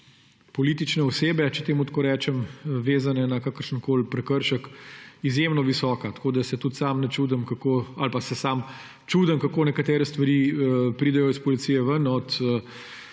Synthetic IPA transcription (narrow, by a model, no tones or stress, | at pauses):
pɔliːt̪it͡ʃnɛɔseːbɛt͡ʃɛt̪eːmut̪koːɾɛːt͡ʃɛmʋeːzanɛnakakəɾʃənkoːlpɾɛkəɾʃəkizjemnɔʋisɔːkat̪ḁkoːd̪asɛt̪ut̪samnɛt͡ʃuːd̪əmkakoːalpasɛsaːm | t͡ʃuːd̪əmkakoːnɛkat̪ɛːɾɛst̪ʋɐɾiːpɾiːd̪ɛjɔispɔlit̪sijɛʋənɔt̪ə